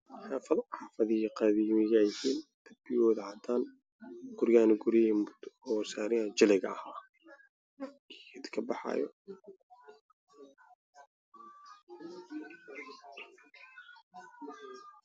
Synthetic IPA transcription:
ħɑːfɐðħɑːfɐðɪhiqɑðiːmɪɣɐjɪhiːnd̪̥ɐbɪjɔːðɐʕɑd̪ʰaːn | ɡ̥ʊɾɣaːnɪɡʊɾimʊd̪ɔːsaːɾɪhɐt͡ʃɪlɛɣɐ̰ɐhaː | kʰiɪd̪kʰɐbɑħɑ̰ːjɔ̰

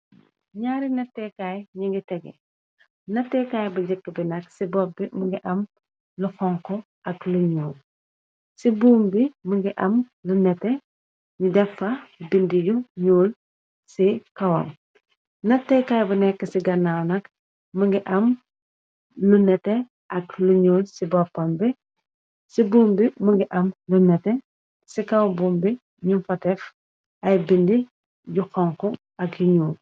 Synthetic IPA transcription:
ɲaːɾinɐtːɛkajɲiŋɡitɛɡḛ | nɐtːɛkaːjbuɟəkːəbinɐksibɔp̚ːiməŋɡiʔɐm | luxɔŋkɔ | ʔɐkluɲuːl | sibuːmbiməŋɡiʔɐm | lunɛte | ɲidɛfɐbindijuɲuːl | sikɐwɐ̰m | nɐtːɛjkɐjbɐnɛkːəsiɡɐnːawnɐk | mɐŋɡiʔɐm | lunɛtːɛ | ʔɐkluɲuːlsibɔpːɐmbɛ | sibuːmbimuŋɡiʔɐmlunɛtɛ | sikɐwbuːmbi | ɲumfɐtɛf | ɐjbindi | juxɔŋkɔ | ɐkjuɲuːl

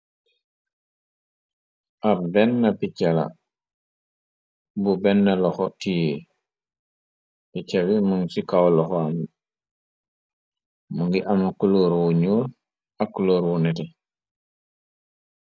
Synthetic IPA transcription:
ʔabɛnːapicala̰ | bubɛnːalɔxɔtije | picaβimuŋsikawlɔxɔam | muŋɡiʔamakuloːɾwuɲuːl | akːuloːɾwunɛtɛ

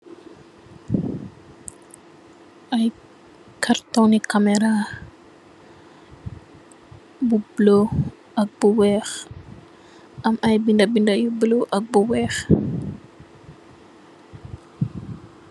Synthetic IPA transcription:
ʔaj | kʰaɾt̪onikːamɛɾa | bublo | ʔɐk̚buwɛx | ʔɐmɐjbindabindajubloʔɐk̚buwɛx

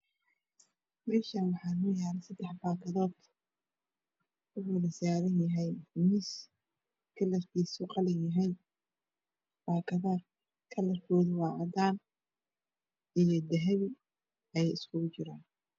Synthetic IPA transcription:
mɛːʃaːnwɑħɑːnʊjaːlɛsɐd̪ɛħbaːkʰɐðɔːd̪ | ʊwwɐlɐsaːɾɐnjɐɦɛjmis | kʰɐlɐrkʰiːsʊqɑlɪnjɐɦɛj | b̥aːkʰɐðaː | kʰɐlɐrkʰɔːðʊwɑːʕɑd̪aːn | ʔijɞd̪ɐɦɐβi | ɛjɛjɪskʰʊɣʊt͡ʃɪɾaːn

